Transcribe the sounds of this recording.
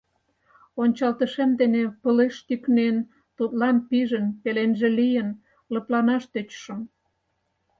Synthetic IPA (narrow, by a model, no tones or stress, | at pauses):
onʲt͡ɕɑlt̪əʃemd̪enepəleʃt̪yknen | t̪ut̪lɑnpiʒənpelenʒelijən | lə̆plɑnɑʃt̪øt͡ɕʃə̆m